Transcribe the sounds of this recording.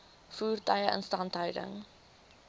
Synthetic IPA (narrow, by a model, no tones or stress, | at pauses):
fuːrtɐjəʔə̰nstɐntɦœwdə̰ŋ